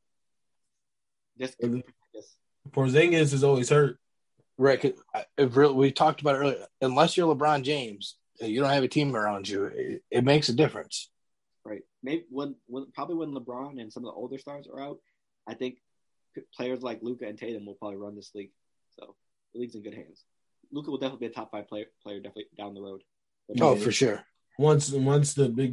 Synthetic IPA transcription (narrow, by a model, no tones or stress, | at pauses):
d͡ʒʌspʰzŋɨs | pʰə˞zɪ̃ŋɡɨs̬ɨzõʊnwiz̥hɜ˞ | ɹaɪt̚kʰʌzɨfɹɪlˠwiv̥tʰɔk̚təbaʊɾt̚ɹɪlˠiɨ̃nlɛsjə˞ləbɹɑ̃nd͡ʒẽɪ̃mz̥ | ɨjɨɾõʊ̃nhɨvɨtʰĩmə˞ãʊ̃nd͡ʒɨɪ̰ɨt̚meɪksɨdɪfɹɨ̰̃ns | ɹaɪt̚meɪbiwə̃nwə̃npʰɹ̥ɑbəbliwə̃nləbɹɑ̃nɨ̃nsʌ̃mʌvðḭʔo̰ʊlˠdə˞stɑɹzə̰˞aʊt̚ | ʔaɪθɪ̃ŋkʰ | pʰl̥eɪə˞zlaɪklʉkɨɨ̃ntʰeɪðɨ̃nwəlˠpɹ̥ɑbəbliɹʌ̃nðɪsliɡ̥ | so̰ʊ | ðəliɡzɨ̃nɡʊd̚ɦæ̰̃ndz̥ | lukəwəlˠdɛfənətˡlbiɨtʰɑpfaɪv̥pʰl̥eɪə˞pʰl̥eɪə˞dɛfnətlidãʊ̃nðəɹoʊd̥̚ | b̥ʌoʊfə˞ʃʊɹ | wʌ̃nswʌ̃nsðɨbɪɡ